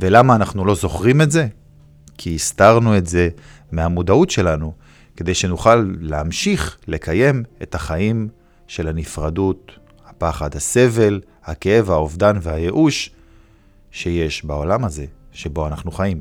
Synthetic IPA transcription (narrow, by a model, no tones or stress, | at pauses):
velamaːnaχnulo̞zo̞χʁime̞tze̞ | kʰiːstaʁnue̞tze̞ | meamudautʃe̞lanu | ke̞d̪e̞jʃe̞nuχalːeamʃiχle̞kaje̞me̞̰taχaim | ʃe̞lhanifʁadut | hapaχadhase̞ve̞l | hakee̞vaovdanvehaje̞ʔuʃ | e̞je̞ʃbao̞lamaze̞ | ʃe̞bo̞anaχnuχajim